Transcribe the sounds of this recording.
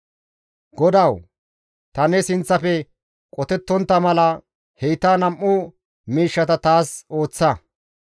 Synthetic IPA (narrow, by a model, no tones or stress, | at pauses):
ɡɔd̪ɐw | t̪ɐnɛsɪnt͡sːɐfɛ | kʼɔt̪ɛt̪ːɔnt̪ːɐmɐlɐ | hɛjt̪aːnɐmʔːʊ | miːʃːɐt̪ɐt̪aːso̞ːt͡sːɐ